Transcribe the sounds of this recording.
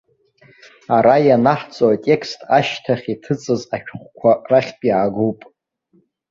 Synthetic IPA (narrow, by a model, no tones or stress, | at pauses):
aɾajanaħt͡sʼowatʼe̞kʰstʼaʃtʰaχʲitʰɨt͡sʼɨzaʃᶣχʷkʷʰaraχʲpʼjaːɡowpʼ